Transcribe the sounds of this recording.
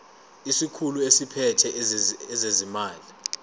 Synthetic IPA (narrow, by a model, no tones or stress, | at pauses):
isikʰuluesipʰɛtʰɛɛzezimaːli